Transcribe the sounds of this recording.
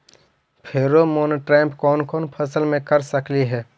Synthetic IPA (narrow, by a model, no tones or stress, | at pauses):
pʰeːɾomoːnʈɾɛ̃ːmpkɔːnkɔːnpʰəsəlmẽkəɾsəkliɦɛː